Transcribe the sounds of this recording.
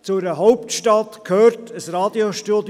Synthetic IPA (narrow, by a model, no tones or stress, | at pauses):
t͡suɾəɦɔʊptʃtɑtkʰhøːɾtʰəsrɑːd̥ioʃtud